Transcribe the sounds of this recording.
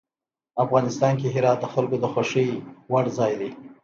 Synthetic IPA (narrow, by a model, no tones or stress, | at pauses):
afɣɑnɪst̪ɑnk̬eɦɪɾɑt̪̚d̪əxalkod̪əxaʃijwaɽzɑjd̪e